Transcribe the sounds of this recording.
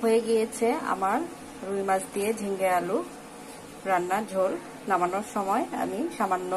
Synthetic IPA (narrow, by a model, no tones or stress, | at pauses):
ɦojeɡijet͡ɕʰea̰maɹː | ujmazt̪ied͡ʑʱiŋɡealu | ɹanːad͡ʒʱol | namanɔɹʃɔmɔja̰miʃamanːɔ